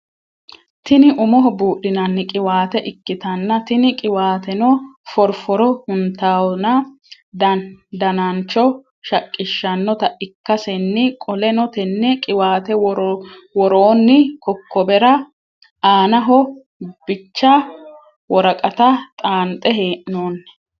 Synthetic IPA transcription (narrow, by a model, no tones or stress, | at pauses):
t̪ɪnɪʔʊmɔɦɔbuːʔɪnɐnːɪkʼɪwaːt̪ɛʔɪkːɪt̪ɐnːɐt̪ɪnɪkʼɪwaːt̪ɛnɔfɔɾfɔɾɔhʊnt̪aːwnɐ | d̪d̪ɐnɐnt͡ʃːɔ | ʃɐkʼːɪʃːɐnːɔt̪ɐʔɪkːɐsɛnːɪkʼɔlɛnɔt̪ɛnːɛkʼɪwaːt̪ɛwɾwɔɾoːnːɪkɔkʰːɔbɛɾɐ | aːnɐɦɔ | b̥ɪt͡ʃːɐ | wɔɾɐkʼɐt̪ɐt̪ʼaːnt̪ʼːɛɦeːʔnoːnːɛ̥